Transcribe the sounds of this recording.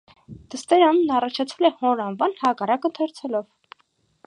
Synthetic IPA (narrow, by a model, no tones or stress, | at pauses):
d̪̥əst̪ɛɾɑnnɑrɑt͡ʃʰɑt͡sʰvɛlɛhɔɾɑnvɑnhɑkɑrɑkət̪ʰɛɾt͡sʰɛlɔv